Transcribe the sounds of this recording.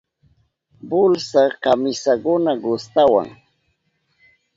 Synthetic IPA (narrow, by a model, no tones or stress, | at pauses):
bʊlsakamɪsakʊnaɢʊst̪awa̰ŋ